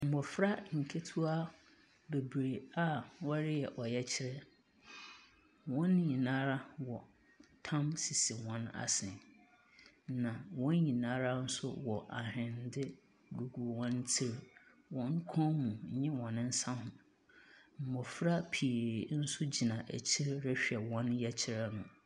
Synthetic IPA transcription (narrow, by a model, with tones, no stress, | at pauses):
m̩˨mɔ˨fɾa˦ŋ̩˨kʰe˦tʰu˦a˦ | be˨bɾe˨a˦wɔ˦ɾɪ˦jɛ˨ʔɔ˨jɛ˦t͡ɕʰɪ˦ɾɛ˦ | wɔ̃˦n˦ɲĩ˨nãː˦ɾa˦wɔ˨ | tʰã˦msi˨si˨wɔ̃˦na̰˨sɪ̃˨n | nã˨wɔ̃˦n˦ɲĩ˨nãː˦ɾa˦n̩˦sʊ̰˦wɔ˨ʔa˨hɪ̃˨n˦dɪ˦ | ɡu˨ɡu˨wɔ̃˦n˦tʰɪ˦ɾ | wɔ̃˦ŋ˦kʰɔ̃˦mũ˨ɲ̩˦ɲɪ̃˦wɔ̃˨nɪ̃˦n̩˦sã˦hʊ̃˨ | m̩˨mɔ˨fɾa˦pʰi˨ɾe˨n̩˦sʊ˦d͡ʑi˨nã˨ʔæ̰˨t͡ɕʰɪ˦ɾɾɪ˦ɕᶣɛ˨wɔ̃˦njɛ˦t͡ɕʰɪ˦ɾɛ˦nʊ̃˨